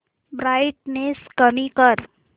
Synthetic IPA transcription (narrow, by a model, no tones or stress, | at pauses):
bɾaɪʈ̚neskəmikəɾ